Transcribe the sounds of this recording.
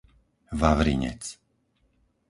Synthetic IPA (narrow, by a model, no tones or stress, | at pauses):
ʋaʋɾḭɲɛ̰t͡s